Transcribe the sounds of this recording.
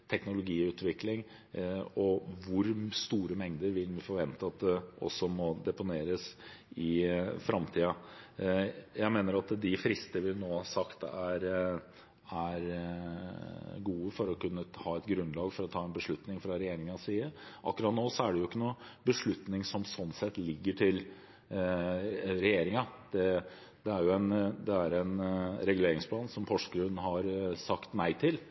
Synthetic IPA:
t̪ʰɛknʊlʊɡiːʉːt̪ʋɪklɪŋ | ɔʋʊɾst̪uːɾəmɛŋd̪əɾʋɪlʋɪfɔɾʋɛnt̪əɑt̪̚d̪ɛʔɔ̰sːɔmɔd̪ɛpʊneːɾəsɪfɾʔɑmt̪ʰiːɑ | jæɪmeːnəɾɑt̪d̪ɪfɾɪst̪əʋɪnoːhɑsɑkt̪æɾ | æɾ | ɡuːəfɔɾɔkʉnːəhɑːɛt̪ɡɾʉnlɑːɡfɔɾɔt̪ʰɑːɛnbəʂɭʉt̪nɪŋfɾɑɾɛjeːɾɪŋɑsiːəʔɑ̰kːɾɑt̪noːsɔæɖɛjʊɪkːənuːəbəʂɭʉt̪nɪŋsɔmsɔnːsɛt̪lɪɡːəʈʰɪl | ɾɛjeːɾɪŋɑd̪̥ɛ | d̪ɛæɾjʊɛnd̪ɛæɾɛnɾɛɡʉleːɾɪŋspʰlɑːnsɔmpʰɔʂkɾʉnɦɑɾsɑkt̪næɪt̪ʰɪl

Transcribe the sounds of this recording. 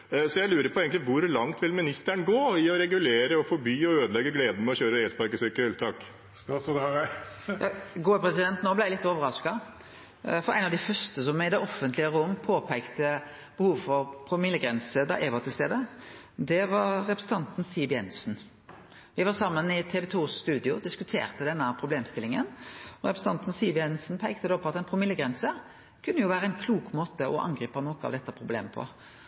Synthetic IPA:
sɔjæɪlʉːɾəpʰɔeːɡŋk̪t̪lɪʋʊɾlɑŋt̪ʋɪlmɪnɪst̪æɳɡoːɪɔɾɛɡʉleːɾəɔfɔbyːɔøːd̪əlɛɡːəɡleːd̪əmɛɔçøːɾəɛspɑɾkəsœkəɛlt̪ʰɑk̪ː | s | jɑɡuːəpɾɛsɪd̪ɛnt̪noːblæɪælɪt̪ːoːʋəɾɑskɑ | fɔɾæ̰ɪnɑʋd̪ɪfœɾst̪əs̬ɔmɪd̪ɛʔɔfənt̪lɪəɾʊmːpʰoːpʰæɪkt̪ə | b̥əhuːʋfɔɾpʰɾʊmɪljəɡɾɛnsəd̪ɑ̰ʔɛːʋɑt̪ʰɪlst̪eːd̪əd̪ɛʋɑɾɾɛpɾɛsət̪ɑnt̪n̩siːʋɪjɛnsn̩ | ʋɪʋɑːʁsɑmːənɪt̪ʰɛʋɛt̪ʰuːst̪ʉːd̪ɪʊd̪ɪskʉt̪ʰḛːʁt̪əd̪ɛnːəpʰɾʊbleːmst̪ɪlːɪŋənɔɾɛpɾɛsəɑnt̪n̩siːʋɪɛnsn̩pʰæɪkt̪əd̪oːpʰɔɑt̪æɪnpʰʁʊmɪljəɡɾɛnsə | kʰʉnːəjʊʋæːɾəæɪnkʰluːkmoːt̪əʔɔʔɑ̰ŋɡɾiːpɑnɔːkʊɑ̰ʋd̪ɛt̪ːəpʰɾʁʊblḛːməpʰɔ̰

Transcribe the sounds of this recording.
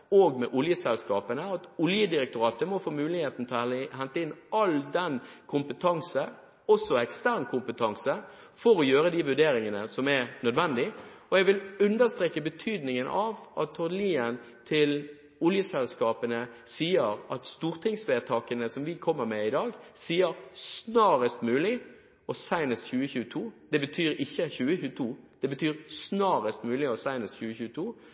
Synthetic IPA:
oːɡmɛʔʊljəsɛlskɑːpənəɑt̪ʊljəd̪ɪɾɛk̚t̪ʊɾɑːt̪əmɔfoːmʉːlɪheːt̪n̩t̪ʰɦɛnt̪əɪnːɑld̪ɛnkʰʊmpət̪ʰɑŋsə | ɔsːɔɛkst̪æʁnkʰʊmpət̪ʰɑŋsə | fɔɾɔjøːɾəd̪ɪʋʉɖ̪eːɾɪŋənəsɔmɛʁnœd̪ʋɛnd̪ɪɔɛɡʋɪlʉnd̪əʁst̪ɾeːkːəbət̪ʰyːd̪nɪŋənʔɑʋʔɑt̪ʰːɔliːən | t̪ʰɪl | ʊljəsɛlskɑːpənə | siːəɾɑt̪st̪uːʁt̪ʰɪŋsʋeːt̪ʰɑːkənəsɔmʋɪkʰɔmːəɾmɛɪd̪ɑːɡsiːəɾsnɑːɾəst̪mʉːlɪ | ɔsæɪnəst̪çʉːəçʉːət̪ʰuːd̪̥ɛbət̪ʰyːɾɪçːəçʉːəçʉːət̪ʰuːd̪̥ɛbət̪ʰyːʁsnɑːʁəst̪mʉːlɪɔsæɪnəsçʉːəçʉːət̪ʰuː

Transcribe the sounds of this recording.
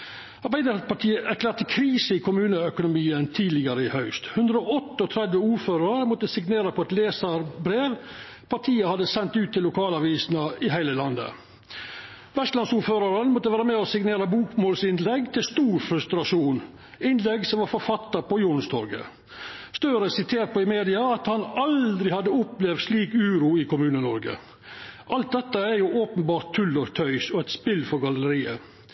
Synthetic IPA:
ɑɾbæɪd̪əpɑʈ̪ʰiːəʔæɾkʰlæːɾʈ̪əkʰɾiːsəɪkʰʊmʉːnəœkʊnʊmiːənt̪ʰiːlɪɡəɾəɪhœʉst̪hʉnd̪ɾəɔɔt̪ːəɔt̪ʰɾɛd̪ʋəuːɾføːɾɑɾəmɔt̪ːəsɪɡneːɾəpʰɔɛt̪leːsəɾbɾeːʋ | pʰɑʈʰiːəhɑd̪əsɛnt̪ʉːt̪ʰːɪlːʊkʰɑːlɑʋiːsnɑɪɦæɪləlɑnd̪ə̰ | ʋɛst̪lɑnsuːɾføːɾɑɾənmɔt̪ːəʋæːɾəmɛːɔsɪɡneːɾəbuːkmoːlsɪnlɛɡt̪ʰɪlst̪uːɾfɾʉst̪ɾɑʂuːn | ɪnlɛɡsɔmʋɑɾfɔɾfɑt̪ːəpɔjuːɳ̩st̪ʰɔɾɡə̰ | st̪œːɾəsɪt̪ʰeːɾʈ̪̚pɔɪmeːd̪ɪɑɑt̪hɑnɑld̪ɾɪhɑd̪ːəʊplɛʋd̪sliːkʉːɾuːɪkʊmʉːnənɔɾɡə̰ | ʔɑlt̪̚d̪ɛt̪ːəæɾjʊʔoːpənbɑːɾt̪ʰːʉlːəɾt̪ʰœʏsɔæɪt̪spɪlfɔɾɡɑləəɾiːə̰

